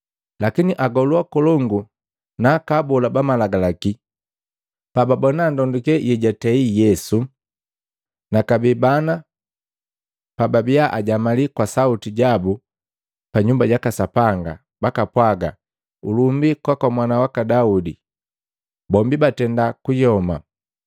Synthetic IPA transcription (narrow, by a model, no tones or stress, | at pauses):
lakiniʔaɡɔlwakɔlɔŋɡu | nakabɔlabamalaɡalaki | pababɔnandɔndukɛjʔɛɟatɛijɛsu | nakabibana | pababiaʔaɟamalikwasautiɟabu | paɲumbaɟakasapaŋɡa̰ | bakapwaɡa̰ | ṵlumbikwakwamwanawakadaudi | bɔmbibatɛndakujɔma